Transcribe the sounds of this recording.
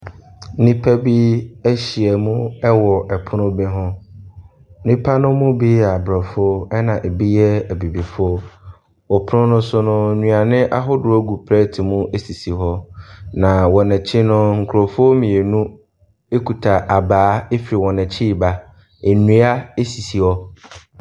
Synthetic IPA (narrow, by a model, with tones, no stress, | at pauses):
nĩ˦pʰæ˦bi˦æ˦ɕi˨ɛ˨mũ˦ɛ˦wɔ˨ʔɛ˨pʰʊ˦nʊ̃˦bɛ˦ɦʊ̃˦ | nĩ˦pʰa˦nʊ̃˦mʊ̃˦bi˦˨a˨bɾɔ˨fʊ˦ɔ˦ɛ˦nã˨ʔe˨bi˦jɛ˦æ˨bi˨bi˨fʊ˦ɔ˦ | wɔ˨pʰʊ˦nʊ̃˦nʊ̃˦sʊ˦nʊ̃˦˨ɲũ˨a˨nɪ̃˦ʔa˦ɦʊ˦dʊ˨æ˦ɡu˨pʰɾɛ˦tʰɪ˨mũ˦ʔe˦si˨si˨ɦɔ˦nã˨wɔ̃˨nɛ̃˨t͡ɕʰɪ˦nʊ̃˦ŋ̩˨kʰɾo˨fʊ˦ɔ˦mĩ˨e˨nũ˦ | e˦kʰu˨tʰa˨ʔa˨baː˨˦e˦fi˨ɾi˨wɔ̃˨nɛ̃˨t͡ɕʰi˦˨ba˦ | e˨nũ˨˦a˦e˦si˨si˨hɔ˦